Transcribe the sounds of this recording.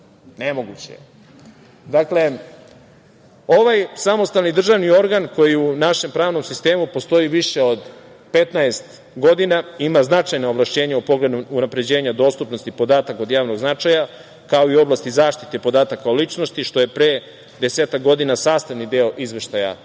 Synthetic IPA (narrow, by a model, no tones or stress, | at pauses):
ne̞mo̞ɡut͡ɕḛ | d̪akle̞ | o̞ʋajsamo̞st̪alnid̪r̩ʒaʋnio̞ɾɡanko̞jiunaʃe̞mpɾaːʋno̞msist̪e̞ːmupo̞st̪o̞iʋiʃe̞o̞d̪ | pe̞t̪naest̪ | ɡo̞d̪inaimaznat͡ʃajnaoblˠaʃt͡ɕe̞ːɲaupo̞ɡle̞d̪uunapɾe̞d͡ʑe̞ːɲad̪o̞st̪upno̞st̪ipo̞d̪aːt̪ako̞d̪jaːʋno̞ɡznat͡ʂaja | kao̞io̞blˠast̪izaːʃt̪i̥t̪e̞po̞d̪aːt̪akaolit͡ʂnost̪iʃt̪o̞je̞pɾeː | d̪eseːt̪ak̚ɡo̞d̪inasaːst̪aʋnid̪eoʔizʋeʃt̪aja̰